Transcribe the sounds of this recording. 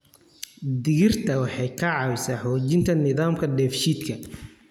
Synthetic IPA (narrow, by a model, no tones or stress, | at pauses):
d̪ɪɣɪrt̪ʰɐwɑħɑjkʰɐʕɑwsaːħɔːt͡ʃɪnt̪ʰɐnɪðaːmkʰɐdɛːfʃiːd̪kʰɐ